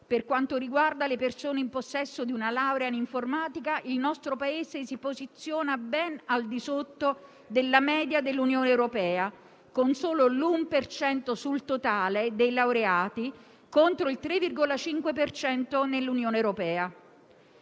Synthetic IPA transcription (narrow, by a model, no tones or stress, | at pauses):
perkwant̪oɾiɡward̪alepersoːneimposːɛsːod̪iunalawɾeaniɱformaːt̪ikaʔilnɔst̪ɾopaeːzesipozit̪sːjoːnabɛnald̪isot̪ːo | d̪elːamɛːd̪jad̪elːunjoːneɛwɾopɛːa | konsoːlolumpert͡ʃɛnt̪osult̪ot̪aːled̪ejlawɾeaːt̪i | kont̪ɾoilt̪ɾevːirɡolat͡ʃiŋkwepert͡ʃɛnt̪onelːunjoːneɛwɾopɛːa